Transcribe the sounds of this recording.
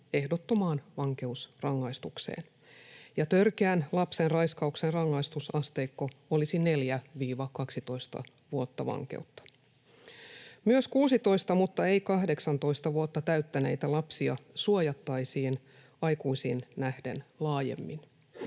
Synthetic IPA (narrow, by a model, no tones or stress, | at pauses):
e̞hdot̪ːo̞mɑːnʋɑŋke̞usrɑŋːɑist̪uksḛːn | jɑt̪ørkeænlɑpsenrɑjskɑuksenrɑŋːɑist̪usɑst̪e̞ːkːoolisine̞ljæʋiːʋɑkɑksit̪o̞ist̪ɑ̰ | ʋuot̪ːɑʋɑ̰ŋkḛut̪ːɑ̥ | myøskuːsit̪o̞ist̪ɑmut̪ːɑejkɑɦde̞ksɑnt̪o̞jst̪ɑʋuot̪ːɑt̪æyt̪ːæne̞̰jt̪ælɑpsiɑsuojɑt̪ːɑjsiːn | ɑjkuisiːnnæhde̞̰nlɑːjḛmːin